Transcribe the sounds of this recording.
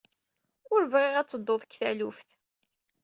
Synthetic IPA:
ʊɾvʁɪʁæt͡sːəd̪ˤːoðˤkːθælufθ

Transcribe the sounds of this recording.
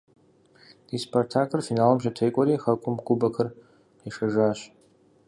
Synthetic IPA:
ispʰortʰakʰɨrfinaːlɨmʃɐtʰejkʷʼɔɾiːxɐkʷʼʊmɡʷʊbɐkʰɨr | iʂɐʐaːɕ

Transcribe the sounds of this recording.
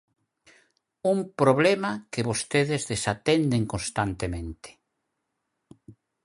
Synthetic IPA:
umpɾoβlɛmakɪβost̪eðɪzðesat̪ɛnd̪eŋkonst̪ant̪emẽnt̪e̥

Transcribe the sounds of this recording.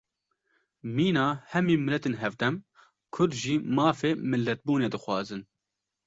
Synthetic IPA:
miːnɑːhɛmiːmɪlːɛt̪eːnɦɛvd̪ɛm | kʰʊɾd̪ʒiːmɑːfeːmɨlːɛt̪̚buːneːd̪ɨxwɑ̰ːzɨn

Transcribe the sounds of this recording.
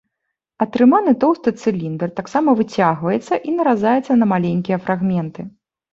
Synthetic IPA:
ɐt̪ɾɨmanɨt̪ɔwst̪ɐt̪sɨlʲind̪ɛrt̪aksamɐvɨt͡sʲaɣvɐjɛt̪sːɐʔinɐɾazajɛt̪sːɐnɐmalʲenʲkʲijɐfɾʔaɣmʲɛnt̪ɨ

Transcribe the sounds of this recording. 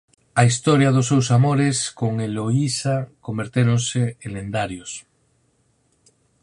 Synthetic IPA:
ais̬t̪oɾjaðos̬ːewsamoɾeskoŋeloisakombeɾt̪eɾonseẽnẽnd̪aɾjos

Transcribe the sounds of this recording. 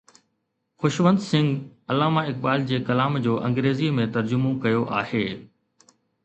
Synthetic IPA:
xʊʃʋə̃nd̪sɪ̃ŋɡɐlaːmaɪk̚ɓaːld͡ʑeːkɐlaːmd͡ʑoːʔɐ̃ŋɡɾeːzimẽt̪ɐɾd͡ʑʊmõkɐjoʔaːheː

